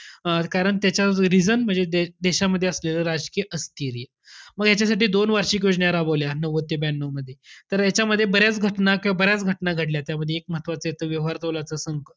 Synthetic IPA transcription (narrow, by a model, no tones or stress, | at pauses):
kaɾəɳt̪jat͡ɕaɾid͡zənm̤əɳd͡zed̪ed̪eɕaməd̪ʱːjeəsleləɾad͡zkijəʔəst̪iːɾi | məɡjat͡ɕjasaʈiːd̪onʋaɾɕiːkjod͡zɳjaɾaboljanəʋət̪jəbænːoməd̪ʱːjet̪əɾjat͡ɕjaməd̪ʱːjebəɾjat͡sɡʱəʈnakĩʋabəɾjat͡sɡʱəʈnaɡʱəʈljat̪jaməd̪ʱjeːk̚məɦət̪ʋat͡səjet̪ʰəʋjəʋʋaɾt̪olat͡səsəŋkə